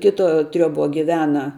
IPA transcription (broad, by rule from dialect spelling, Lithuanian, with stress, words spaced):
ˈkʲɪtoː ˈtʲrʲoːˌboː ɡʲɪˈʋʲæːnɐ